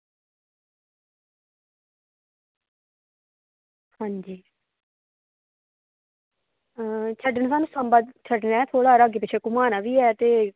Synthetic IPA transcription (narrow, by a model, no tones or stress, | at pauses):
hãːɲd͡ʒiː | t͡ʃʰəɖəɳsaːnũːsəmbəd̪t͡ʃʰəɖnɛːt̪ʰoːɽaːɾəɡeːp̬ɪt͡ʃʰeːkʊmaːnaːʋiːɛːt̪eː